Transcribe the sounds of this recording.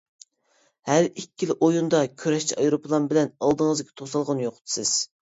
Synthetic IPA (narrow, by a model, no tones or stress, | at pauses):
hæɾikʲːilʔojund̪ɑkʲʰøɾɛʃt͡ʃʰiɑjɾopʰlˠɑnbɪlɛnɑlˠd̪əŋəzɪɡʲʰɛ̥t̪ʰosɑlˠʁənjoqt̪ɨ̥sɪz̥